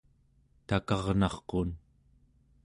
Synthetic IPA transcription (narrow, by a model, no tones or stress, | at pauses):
t̪akɑʁnɑχqon